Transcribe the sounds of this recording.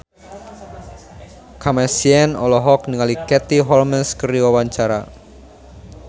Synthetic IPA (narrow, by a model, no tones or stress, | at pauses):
kʰamɛsiɛnɔlɔɦɔk̚niŋalikɛt̪iɦɔlməskəɾiwawaɲt͡ʃaɾa̰